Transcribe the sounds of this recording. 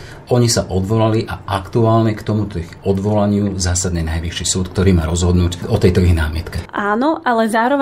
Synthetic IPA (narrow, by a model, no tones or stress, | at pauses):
ɔɲisaʔɔd̪ʋɔlaliʔaʔakt̪uaːlɲɛkt̪ɔmut̪ɔiɣɔd̪ʋɔlaɲɪuzaːsad̪ɲɛnajʋiʃisuːt̪kt̪ɔɾiːmaːɾɔzɦɔd̪nuːcɔt̪ɛjt̪ɔiɣnaːmɪɛt̪kɛʔaːnɔʔalɛzaːɾɔʋ